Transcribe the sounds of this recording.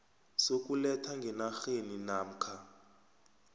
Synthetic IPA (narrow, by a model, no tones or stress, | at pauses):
sokʼulɛtʰaŋɡʱɛnaxeninaːm̩kʰa